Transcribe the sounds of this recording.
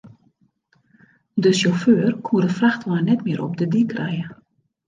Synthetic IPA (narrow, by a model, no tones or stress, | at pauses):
dəsjoføːrkʰuədəfraxtʋajnɛtmɪəɾʔɔ̰pdədikʰrɛjə